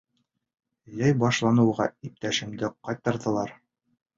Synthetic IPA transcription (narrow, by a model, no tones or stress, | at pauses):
jæjbɑʃlˠɑnɤ̆wʁɑ̰ip̚t̪æʃɘ̆md̪ɘqɑjt̪ːɤ̆ɾðɤ̆lˠɑɾ